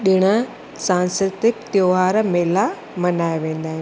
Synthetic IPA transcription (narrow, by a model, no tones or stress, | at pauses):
ɗɪɽ̃ə̆ | sãːnskɾɪt̪ɪkt̪joːɦaːɾmeːla | mɐnaːjʋẽːnd̪aːɦɪ̃